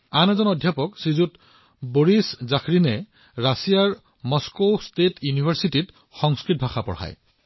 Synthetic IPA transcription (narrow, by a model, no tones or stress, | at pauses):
anɛzɔnɔdʱjapɔksizut | boɹiszaxʰɹinɛ | ɹasijaɹ | mɔskostetʰjunibʱaɹsitit | xɔŋskɹit̚bʱaxapɔ̰ɹha̰j